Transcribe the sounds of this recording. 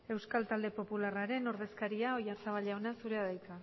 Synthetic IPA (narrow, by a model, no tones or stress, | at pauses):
e̞wskalt̪ald̪e̞po̞pularaɾe̞no̞ɾðe̞skaɾiao̞jasaβ̞aʎaonasuɾe̞aðajka